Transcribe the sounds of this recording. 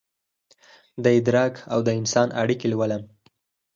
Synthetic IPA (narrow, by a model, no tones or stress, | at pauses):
d̪əɪd̪ɾɑkawd̪əɪnsɑnʔa̰ɽikelwaləm